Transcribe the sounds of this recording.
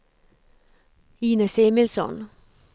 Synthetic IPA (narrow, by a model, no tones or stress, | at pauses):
iːnəseːmɪlsɔ̰n